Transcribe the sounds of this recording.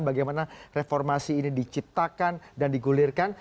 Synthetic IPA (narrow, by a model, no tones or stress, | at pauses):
nbaɡajmanarefɔrmasiːnidit͡ʃip̚t̪akandandiɡulirkan